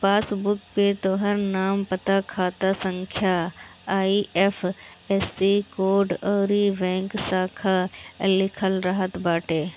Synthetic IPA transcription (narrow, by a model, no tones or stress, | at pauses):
paːsbʊkpet̪oɦəɾnaːmpɐt̪akʰaːt̪asə̃ŋkʰjaː | iʔɛfʰ | ɛsikoːɾɖəːɾibɛ̃ːŋksaːkʰalɪkʰəlɾɐɦət̪baːʈeː